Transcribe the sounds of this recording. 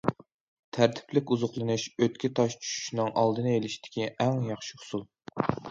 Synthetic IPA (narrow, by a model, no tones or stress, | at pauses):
t̪ʰæɾt̪ʰɪ̥plɪkʲuzʊχlˠɨnuʃøt̪kʲʰit̪ʰɑʃt͡ʃʰy̥ʃy̥ʃnɨŋʔɑlˠd̪ɨnɨelɪʃt̪ʰɪ̥kʲiʔɛŋjɑχʃɪhʊ̥sulˠ